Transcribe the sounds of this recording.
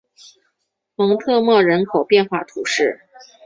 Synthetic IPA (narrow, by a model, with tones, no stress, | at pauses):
mɤ˧˥ŋt̪ʰɤ˥˧mwɤ˥˩ɻə˧˥nkʰo˨˩ʊpjɛ˥˧nxwa˥˩t̪ʰu˧˥ʂɻ̩˥˩